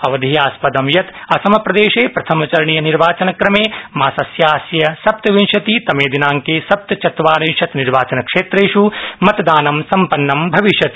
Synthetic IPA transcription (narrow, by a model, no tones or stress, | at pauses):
ɐʋɐd̪ʱijaːspɐd̪ɐmjɐt̪ɐsɐmɐpɾɐd̪eːʃeːpɾɐt̪ʰɐmɐt͡ʃɐɾɐɳijɐniɾʋaːt͡ʃɐnɐkɾɐmeːmaːsɐsjaːsjɐsɐp̚t̪ɐʋinʃɐt̪iːt̪ɐmeːd̪inaːŋkeːsɐp̚t̪ɐt͡ʃɐt̪ʋaːnɐnʃɐt̪niɾʋaːt͡ʃɐnɐkʂeːt̪ɾeːʃumɐt̪ɐd̪aːnɐmsɐmpɐnːɐmbʱɐʋiʃjɐt̪i